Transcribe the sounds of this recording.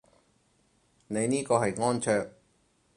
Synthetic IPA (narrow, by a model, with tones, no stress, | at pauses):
ne˨˧jniː˥kɔː˧ɦɐ˨jŋɔː˥nt͡ʃʰœː˧k̚